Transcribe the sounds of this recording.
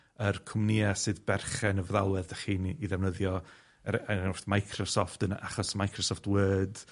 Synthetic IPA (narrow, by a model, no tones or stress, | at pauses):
ərkʰʊmniasɨðbɛrχɛnəvðalˠɛðəχiːniðɛwnəðjɔ | ɛɔrθmajkʰrɔsɔftəna̰χɔsmajkʰrɔsɔftʰwəːd̥